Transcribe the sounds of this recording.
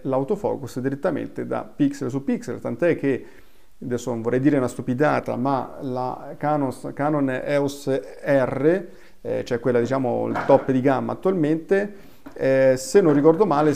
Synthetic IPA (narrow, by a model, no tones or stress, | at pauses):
lawt̪ofɔ̰ːkusd̪iɾet̪ːamḛnt̪ed̪a̰pikselsupːiksḛlt̪ant̪ɛk̟ːe | d̪ɛsːonoɱvorɛjd̪iːɾeunast̪upid̪a̰ːt̪a̰ma̰la̰kanoskaːnon̰ɛus | ɛrːe | t͡ʃoɛkːwelːad̪it͡ʃaːmo̰ḭlt̪ɔpːd̪iɡamːa̰t̪ːualment̪e | ɛsenːõnːikɔrd̪omaːle